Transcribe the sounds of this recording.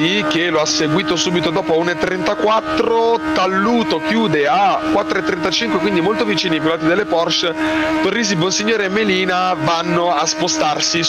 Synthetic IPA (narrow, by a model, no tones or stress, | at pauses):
ikeloasːeɡwiːt̪osuːbit̪od̪ɔːpounet̪ːɾent̪akwat̪ːɾot̪alːuːt̪okjuːd̪eakwat̪ːɾoet̪ːɾent̪at͡ʃiŋkwekwind̪imolt̪ovit͡ʃiːnipilaːt̪ːid̪elːepɔrʃt̪orːiːz̬ibonsiɲːoːɾeemːeliːnavanːoaspost̪arsi